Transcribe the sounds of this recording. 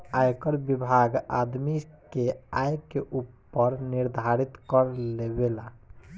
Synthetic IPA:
ajkəɾbibʱaɡad̪mikeajkeʔupːəɾniɾd̪ʱaɾit̪kəɾlebela

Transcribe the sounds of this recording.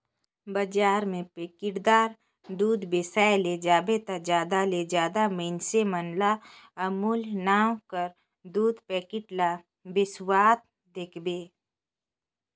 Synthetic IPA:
bəd͡ʒaːɾmẽpeːkɪʈd̪aːɾ | d̪uːd̪besaːjled͡ʒaːbet̪ad͡ʒjaːd̪aled͡ʒjaːd̪aməɪnsemənlaəmuːlnaːwkəɾ | d̪uːd̪peːkɪʈla | bɪswaːt̪ | d̪eːkʰbeː

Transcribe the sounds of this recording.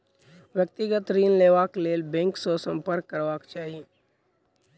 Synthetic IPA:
ʋjək̚t̪ɪɡət̪ɾiːnleːʋaːkleːlbẽŋksosə̃mpəɾkːəɾʋaːkt͡ʃaːɦie

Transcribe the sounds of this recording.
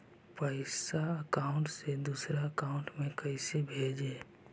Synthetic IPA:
pəɪsaəkaːʊ̃ɳʈsed̪uːsɾaəkaːʊ̃ɳʈmẽkəɪsebʱeːd͡ʒeː

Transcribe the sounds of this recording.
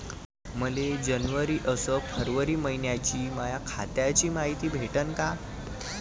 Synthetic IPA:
məled͡ʑənʋəɾiːʔəsəfʰəɾʋəɾiːməɦinjat͡ɕiːmajakʰa̰t̪jat͡ɕiːmaɦit̪iːbʱeʈənka

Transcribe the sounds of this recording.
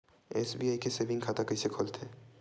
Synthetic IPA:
eːsbiaːikesebɪ̃ŋɡkʰaːt̪akɐɪsekʰoːlt̪ʰeː

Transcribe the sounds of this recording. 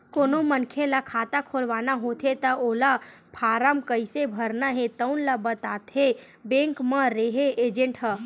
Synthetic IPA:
koːnomənkʰelakʰaːt̪akʰolʋaːnaɦot̪ʰet̪əoːlapʰaːɾəmkəɪsebʱəɾnaɦẽt̪əʊnlabət̪aːt̪ʰe | bẽːŋkmãɾeɦeʔeːd͡ʒẽɳʈɦə

